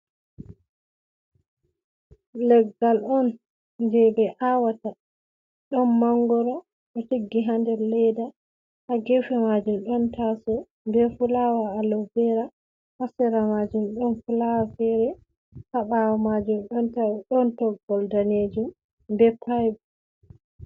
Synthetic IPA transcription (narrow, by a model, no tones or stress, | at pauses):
lɛɡalɔn | d͡ʒɛbɛʔawata | ɗɔnmaŋɡɔɾɔ | ʔɔtiɡːiɦandɛɾlɛjda | ʔaɡefɛmad͡ʒumɗɔntasɔ | bɛfulawaːlɔbɛɾa | hasɛɾamad͡ʒumɗɔnfulawafɛɾɛ | haɓawamad͡ʒumɗɔntaɗɔntɔɡɔldaned͡ʒum | bɛpʰajb